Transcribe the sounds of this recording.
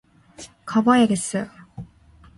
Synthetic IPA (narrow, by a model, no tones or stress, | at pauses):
kʌbʌjaɡes͈ʌjo